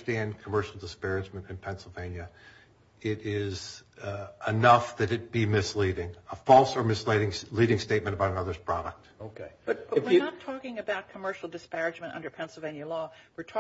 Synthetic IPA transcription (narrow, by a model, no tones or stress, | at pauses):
stæ̃nkʰəmɜ˞ʃl̩ˠdəspɛɹɨd͡ʒmɨ̃ntɨ̃npʰɛ̃nsl̩ˠvẽɪ̃njɨ | ɪɾɪz | ʔənʌfðɨɾɨt̚b̥imɪsliɾɪ̃ŋəfɔlˠsə˞mɨsliɾɪ̃ŋliɾɪ̃ŋsteɪt̚mɨ̃ɾ̃əbaʊɾənʌðə˞z̥pʰɹ̥ɑɾə̰k̚t̚oʊkʰeɪb̥ʌt̚b̥ʌwɪɹnətʰɔkɪ̃ŋɨbaʊt̚kʰəmɜ˞ʃl̩ˠdɨspɛɹɨd͡ʒmɨ̃ntʌ̰̃ndə˞pʰɛ̃nsl̩ˠvẽɪ̃njɨlɔwɨɹtʰɔ